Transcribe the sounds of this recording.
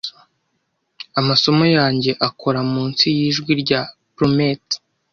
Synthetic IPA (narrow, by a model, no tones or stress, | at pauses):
amaso̞mo̞jaːɲɟe̞ʔakʰo̞ɾamuːnt͡sijiːʒɡwiɾɟapɾomet